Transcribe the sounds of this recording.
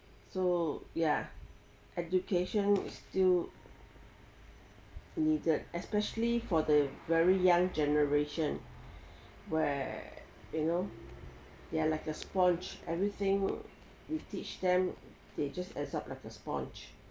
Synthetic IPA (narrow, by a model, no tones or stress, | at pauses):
soja | ʔɛdukʰeʃə̃nɪ̰stil | nidədɛspɛʃəlifɔdəvɛɹijãŋd͡ʒɛnəɹeʃə̃n | wɛ | juno | dealaɪkəspɔ̃nt͡ʃʔɛ̰vɹit̪ɪ̃ŋ | witit͡ʃdɛ̃m | d̥ed͡ʒastɛ̰saplaɪkəspɔ̰̃nt͡ʃ